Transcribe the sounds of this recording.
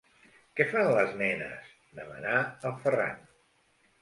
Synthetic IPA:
kɛfanləznɛnə̰z | d̪əmə̰naəlˠfəra̰n

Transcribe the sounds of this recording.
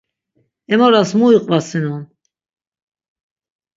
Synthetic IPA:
ɛmɔɾasmuiqʼvasinɔn

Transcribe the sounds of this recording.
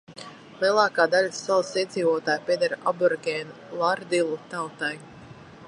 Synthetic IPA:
lˠiɛlˠaːkaːd̪alʲasːalasiɛd̪ziːvɔt̪aːjpʲiɛd̪aɾabuɾɡɛn | lˠaɾd̪ilˠut̪awt̪aj

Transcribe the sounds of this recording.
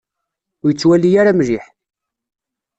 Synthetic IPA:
jət͡sːwælːijaɾamɾiħ

